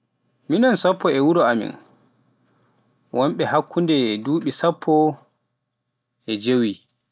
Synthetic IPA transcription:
minɔnsapʰːɔɛwuɾɔamḭn | wʔɔmɓɛhakːundɛduːɓisapʰːɔ | ʔɛd͡ʒewi

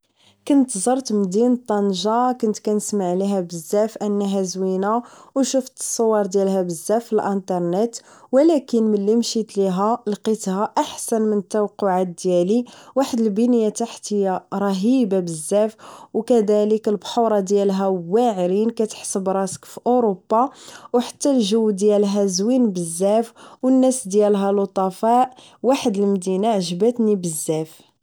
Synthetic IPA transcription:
kʊnt̪zˤɑɾˤt̪md̪inət̪ˤːɑnʒɑkʊnt̪kænəsmaʕliɦæbəzːæfʔənːæɦæzwinawʃəft̪ə̥sˤːowːɑɾˤd̪jælɦæbəzːæfːilʔənt̪ɑɾˤnət̪wəlækənməlːimʃit̪liɦælqit̪hæʔaħsænmənət̪ːæwqːʊʕat̪̚d̪jæliwaħəd̪əlbinjæt̪aħt̪əjaɾˤɑɦibabəzːæfwkæd̪æləkəlbħuɾˤɑd̪jælɦæwːæʕɾinkæt̪ə̥ħsəbɾˤɑskfiʔoɾobːɑwħḁt̪ːælʒəwːd̪jælɦæzwinbəzːæfwənːæsd̪jælɦælot̪ˤɑfɑʔ | waħəd̪əlmd̪inaʕʒbæt̪nibəzːæf

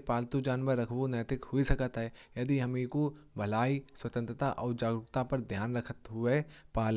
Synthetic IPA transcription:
paːlt̪ud͡ʒaːnʋəɾːɐkʰbonəːt̪ɪkhʊisɐkət̪ɦɛjɐd̪iɦɐmiko | bʱɐlaːiswɐt̪ə̃nt̪ɾət̪aʔɔːɾd͡ʒaːɡɾʊkt̪apɐɾd̪ʱjaːnɾɐkʰət̪ɦʊepaːl

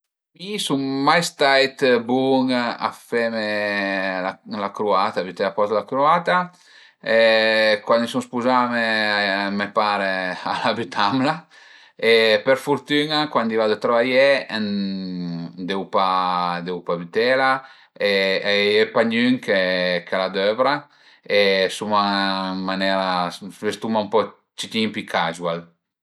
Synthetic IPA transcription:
misuŋmajst̪ajt̪buŋa̰fɛme | lalakɾuat̪abyt̪ɛlapɔt̪lakɾuat̪a | ekwand̪isuŋspuzamemepaɾealabyt̪ʰamla | epəɾfuɾt̪ynakwand̪ivad̪ət̪ɾavajɛɛn | d̪ɛwpad̪ɛwpabit̪ɛla | eɛɛpaɲyŋkekalad̪øvɾa | esumanmanɛɾavest̪umaumpɔ | t͡ʃit̪impikʰaʒwal

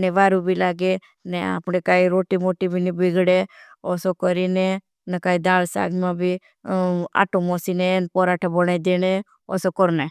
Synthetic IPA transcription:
neʋaːɾubʱilaːɡe | nɛa̰pnekaːiɾoːʈimoʈibʱinibiɡʱɽe | ɔsokɔɾine | nəkaːid̪aːlsa̰ːɡmãbʱi | a̰ʈomɔsinenpɔɾaːʈʰebɔɽ̃aid̪eñe | ɔ̰sɔkɔɾne

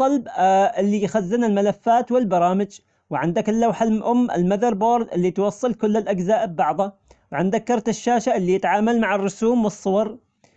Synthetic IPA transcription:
t̪ˤːɑlbʔɪlːijxazːɪnalmalafːaːt̪wɪlbɑɾˤɑːmɪd͡ʒ | wʕɪnd̪akɪlːawħalʔʊmːɪ̰lmaðɑɾˤboːɾˤd̪ʔɪlːit̪wɑsˤːɨlkʊlːɪlʔad͡ʒzaːʔɪbːɑʕðˤa | wʕɪnd̪akːɑɾˤt̪ɪʃːaːʃaʔɪlːijɪt̪ʕaːmalmaʕɪrːʊsuːmwɨsˤːʊwɑɾˤ

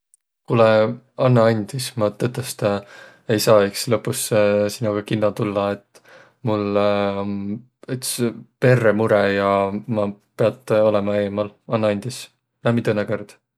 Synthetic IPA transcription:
kulɛ | ɑnːɑɑnʲd̪̥ismɑt̪ːɤt̪ːˑest̪ | e̞jsɑːikslɤpːˑussinɑɡ̥ɑkinːɑt̪ulːɑet̪ | mul | yt̪spe̞rːemuɾejɑmɑpeɑt̪ːˑo̞lɛmɑe̞ːmɑlɑnːɑɑnʲd̪̥is | næmit̪ɤnːekørd̪̥

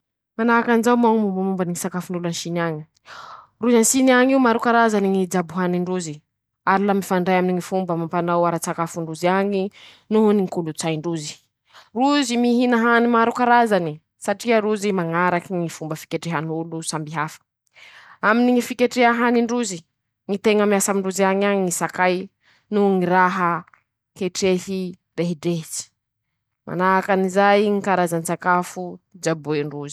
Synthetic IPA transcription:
manaakanzawmaŋmumbəmumbaniŋisakafuɳulanʃiniaɲi̥ | ruzansiniaŋiumaɾukaɾazaniŋid͡zabuɦaniɳɖ͡ʐuzi | aɾilamifaɳɖ͡ʐajaminiŋifumbəmampanawaɾat͡sakafuɳɖ͡ʐuziaɲi | nuɦuniŋkulut͡sajɳɖ͡ʐuzi̥ | ruzimiɦinaɦanimaɾukaɾazani | saʈ͡ʂiəɾuzimaŋaɾakiŋifumbəfi̥keʈ͡ʂeɦanulusambiɦafə̥ | aminiŋifikeʈ͡ʂeɦaɦaniɳɖ͡ʐuzi | ŋit̪eŋəmiasamiɳɖ͡ʐuziaɲaɲisakaj | nuŋiɾaɦə | keʈ͡ʂehi | reɦiɖ͡ʐeht͡si̥ | ma̰naakanizajŋikaɾazant͡sakafud͡ʒabueɳɖ͡ʐuzi̥

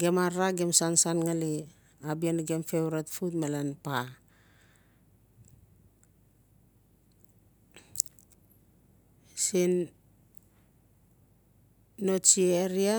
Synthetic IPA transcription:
ɡe̞maɾaɡe̞msansanŋali | abianɡemfe̞wɾatfutmalanpa | sin | o̞t͡ʃieɾia

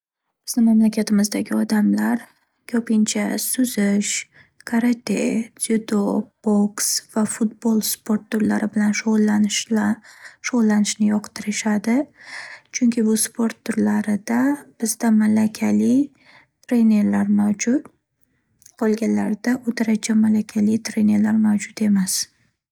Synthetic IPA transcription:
b̥ɪz̥nɪmamlakʲʰat̪ʰɪmɪzd̪aɡʲɪɒd̪amlaɾ | kʲʰɵpʰɪnt͡ʃʰasʊzɪʃ | kʰaɾat̪ʰe̥ed̪ob̥oksv̥afʊt̪̚bolˠspʰo̞ɾt̪ːʊɾlaɾɪbɪlanʃolanʃ | ʃoʁlˠːanɪʃnɪjɒqt̪ʰɪɾɪʃad̪ɪ | t͡ʃʰʊŋkʲʰɪbʊspʰoɾt̪ʰːʊɾlaɾɪd̪ab̥ɪzd̪amalakʲʰalɪ | t̪ʰɾe̞ne̞ɾlaɾmawd͡ʒʊt̪ | qʰolˠɡʲanlaɾd̪aʔʊt̪ʰaɾat͡ʃʰamalakʲʰalɪt̪ʰɾe̞ne̞ɾlaɾmawd͡ʒʊt̪e̞mas

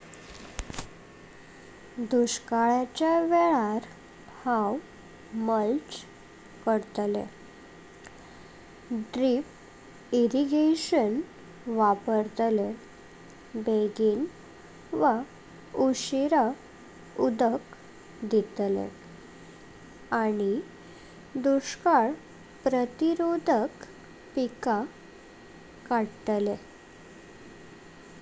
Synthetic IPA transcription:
d̪uɕkaɭjat͡ɕjaʋeɭaɾ | haw | məlt͡ɕ | kəɾt̪lḛ | ɖɾip | iɾiɡeɕən | ʋapəɾt̪le | beɡiːn | ʋa | uɕiɾa | ud̪ək | d̪it̪lḛ̃ | aɽ̃i | d̪uɕkaɭ | pɾət̪iɾod̪ʱək | pika | kaɽt̪le

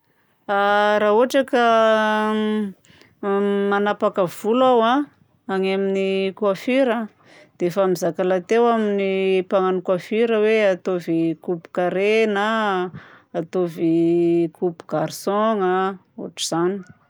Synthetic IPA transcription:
aɾaɦuaʈ͡ʂakə | manapakəv̥ulawa | aŋaminikwafiɾə | d̪̥efamizakalat̪ewaminipaŋanukwafiɾəweat̪ovikupu̥kaɾenəː | t̪ovikupu̥ɡ̥aɾsɔŋə | ṵʈ͡ʂiz̥ani̥

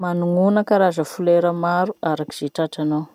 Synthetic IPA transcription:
manuŋunəkaɾazəfuleɾəmaɾuʔaɾaki̥z̥eʈ͡ʂaʈ͡ʂanaw

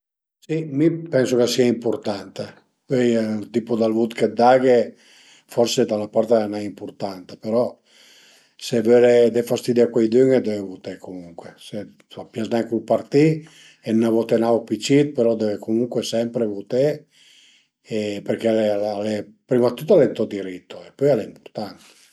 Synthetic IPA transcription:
simipɛnsokesiaimpoɾt̪ant̪e | pøjt̪ipod̪alvut̪ked̪aɡe | fɔrsed̪alapaɾt̪enaimpoɾt̪ant̪e̥peɾɔ | sevøɾed̪efast̪id̪iakwejd̪yŋed̪evevut̪ekomuŋkwese | fapjaznaŋkupart̪i | ennavɔt̪enaopit͡ʃit̪̚peɾɔd̪evekomuŋkwesɛmpɾevut̪e | epeɾkealealepɾimat̪ːut̪ːalent̪ɔd̪iɾit̪ːoepːøjaleimpu̥ɾt̪ant̪e̥

